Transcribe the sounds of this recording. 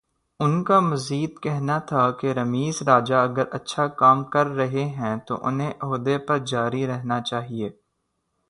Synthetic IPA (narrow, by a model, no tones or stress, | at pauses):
ʊnkamɐziːd̪kɛɦnat̪ʰakeɾɐmiːzɾaːd͡ʒaɐɡəɾɐtːʃʰakaːmkɐɾːɐɦeɦɛ̃t̪o̰ʔʊ̰nɦẽʔɦoːd̪epɐɾd͡ʒaːɾiɾɛɦnat͡ʃaːɦieː